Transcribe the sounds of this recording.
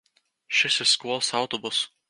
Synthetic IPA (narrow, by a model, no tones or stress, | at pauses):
ʃʲɪsʲɪskuɔlˠsɑʊt̪ɔbʊs